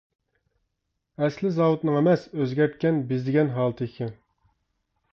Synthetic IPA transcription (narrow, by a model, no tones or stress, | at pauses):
ɛslɪzɑwut̪nɨŋemɛsøzɡʲɛɾt̪̚kʲɛnbɪzd̪ɪɡʲɛnɦɑːlˠt̪ʰɨkʲʰɪn